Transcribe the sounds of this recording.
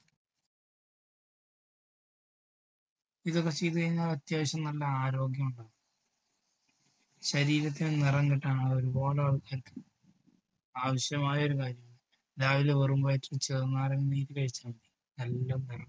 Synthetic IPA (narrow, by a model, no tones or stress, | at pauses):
iðokːet͡ɕejt̪ukɐɻiɲːaːlɐt̪jaːʋɐɕjɐmnɐlːɐaːɾo̞ːɡjɐmuɳɖa | ɕɐɾiːɾɐt̪̬ːinenirɐŋɡeʈːaːɳɐoɾubo̞ːlɐɐɭkʰːeːlt̪ːɨ̥ | aːʋɐɕjɐmaːjɐo̞ɾukaːɾjɐmaɳɨ | laːʋileʋerumbaːjʈːɨt͡ɕeːŋːaːɾɐŋːniːɾɨkɐɻit͡ɕːaːmɳɖi | nɐlːɐnirɐ